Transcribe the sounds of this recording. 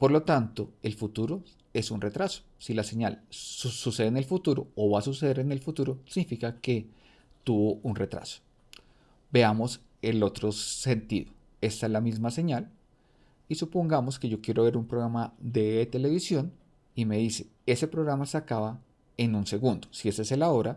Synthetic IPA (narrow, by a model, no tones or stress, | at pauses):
po̞ɾlo̞t̪ant̪o̞e̞lfut̪uɾo̞ | e̞sunre̞t̪ɾaso̥silase̞ɲalsuse̞ðene̞lfut̪uɾo̞̰ːβasus̬eðeɾene̞lfut̪uɾosiɡnifikake̞ | t̪uβo̞unre̞t̪ɾa̰so̥ | be̞amo̞s | e̞lo̞t̪ɾo̞se̞nt̪iðo | e̞st̪alamizmase̞ɲal | isupo̞ŋɡamo̞ske̞ʝokje̞ɾo̞βe̞ɾumpɾoɣɾamaðe̞t̪e̞le̞βisjo̞n | ime̞ðise̞̥ | e̞se̞pɾo̞ɣɾamasakaβa | e̞nunse̞ɣund̪o̥sie̞seselao̞ɾa